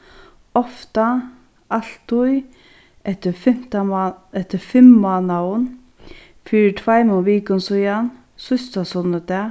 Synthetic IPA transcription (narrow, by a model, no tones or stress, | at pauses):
ɔft̪a | al̥t̪ʊj | ɛt̪əfɪm̥t̪aɛht̪əfɪmmɔːnan | fiːɾɪtʰvaɪmɔʋiːkənsɔjan | sʊst̪asɔnət̪ɛ